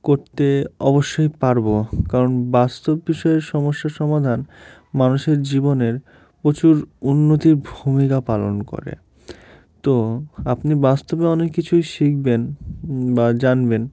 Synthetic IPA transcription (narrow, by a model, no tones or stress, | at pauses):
koɾt̪eɔboʃːojpaɾbokaɾonbast̪obːiʃɔeɾʃɔmoʃːaʃɔmad̪ʱan | manuʃeɾd͡ʑiboneɾ | pɾot͡ɕuɾunːot̪iɾbʱumikapalo̰nko̰ɾḛ | t̪oapnibast̪obeɔnekːit͡ɕʰujʃik̚ʰbenbad͡ʑanben